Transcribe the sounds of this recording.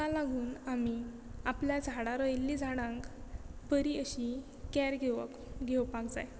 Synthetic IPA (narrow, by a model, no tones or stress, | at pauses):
alaɡʱuːnami | apljad͡zʱaɽaɾɔjlːid͡zʱaɽ̃ãŋkpəɾiəɕi | kæɾɡʱeʋə̰k | ɡʱeʋpaɡd͡za̰j